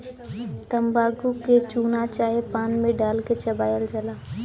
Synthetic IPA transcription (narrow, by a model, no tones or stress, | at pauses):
t̪əmbaːɡuket͡ʃuːnat͡ʃaːɦepaːnmẽɖaːlket͡ʃɐbaːjəlt͡ʃəlaː